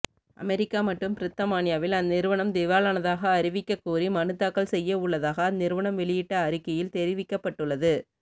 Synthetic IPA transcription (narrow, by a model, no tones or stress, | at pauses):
ʔɐ̰mɛɾɪkːaːmɐʈːrɯmpɪɾɪt̪ːɐmaːnɪjaːʋɪlɐnːɪɾɯʋɐɳɐmd̪ɪʋaːlɐnɐðaːɣɐːɾɪʋɪkːɐkːuːrimɐnɯt̪ːaːkːɐɭsɛjːɐʊɭːɐðaːɣɐnːɪɾɯʋɐɳɐmʋɛɭɪjɪʈːɐːɾɪkːɐjɪlt̪ɛɾɪʋɪkːɐpːɐʈːɯɭːɐðɯ